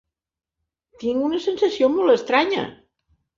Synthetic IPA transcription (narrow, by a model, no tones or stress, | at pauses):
t̪iŋunəsənsəsiomolˠt̪əst̪ɾaɲə̰